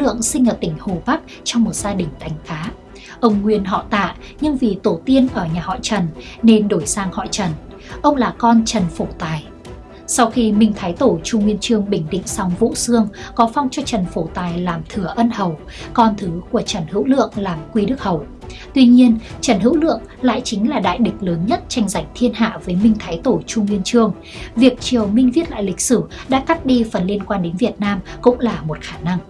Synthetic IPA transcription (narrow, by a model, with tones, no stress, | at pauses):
lɨ̰˧˨əŋsï˧ŋ̟ʔəː˧˩t̪ï˧˩ŋ̟ho˨˩ɓa˦˥k̚ | t͡ɕɔ˧wŋ͡mmo˨˩t̚z̥aː˧ɗï˨˩ŋ̟t̪ʰa˨˩jŋ̟xaː˨˦ | ʔə˧wŋ͡mŋwi˧ənɦɔ̰˧˨t̪a̰ː˧˨ | ɲɨ˧ŋvi˨˩t̪o˧˩t̪i˧ənʔəː˧˩ɲaː˨˩hɔ̰˧˨jt͡ɕə˨˩nːe˧nɗo˧˩jsaː˧ŋhɔ̰˧˨jt͡ɕə˨˩n | ʔə˧wŋ͡mlaː˨˩kɔ˧nt͡ɕə˨˩nfo˧˩t̪aː˨˩j | sa˧wxi˧mï˧˩ŋ̟t̪ʰaː˨˦jt̪o˧˩t͡ɕu˧ŋwi˧ənt͡ɕɨ˧əŋɓï˧˩ŋ̟ɗḭ˧˨ŋ̟sa˨˦wŋ͡mvṵ˧˥sɨ˧əŋkɔ˨˦fa˧wŋ͡mt͡ɕɔ˧t͡ɕə˨˩nfo˧˩t̪aː˨˩jlaː˨˩mt̪ʰɨ˧˩əʔə˧nhə˨˩w | kɔ˧nt̪ʰɨ˨˦ku˧˩ət͡ɕə˧˩nhɨ̰˧˥wlɨ̰˧˨əŋlaː˨˩mkwi˧ɗɨ˦˥k̚hə˨˩w | t̪wi˧ɲi˧ənt͡ɕə˧˩nɦɨ̰˧˥wlɨ̰˧˨əŋla̰ː˧˨jt͡ɕï˨˦ŋ̟laː˨˩ɗa̰ː˧˨jɗï˨˩k̟̚ləː˨˦nɲə˦˥t̚t͡ɕa˧ŋza˧˩jŋ̟t̪ʰi˧ənha̰ː˧˨vəː˨˦jmï˧ŋ̟t̪ʰaː˨˦jt̪o˧˩t͡ɕʊ˧ŋ͡mŋwi˧ənt͡ɕɨ˧əŋ | vi˨˩ək̚t͡ɕi˨˩əwmï˧ŋ̟vi˦˥t̚la̰ː˧˨jlï˨˩k̟̚sɨ˧˩ɗa̰ː˧˥ka˦˥k̚ɗi˧fə˨˩nli˧ənkwaː˧nɗe˨˦nvi˨˩ət̚naː˧mkʊ̰˧˥ŋ͡mlaː˨˩mo˨˩t̚xaː˧˩na˧ŋ